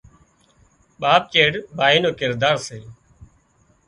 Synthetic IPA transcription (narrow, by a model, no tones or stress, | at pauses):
ɓaːp̚t͡ʃeːɽbʱaːiːnoːkɪɾd̪aːɾseː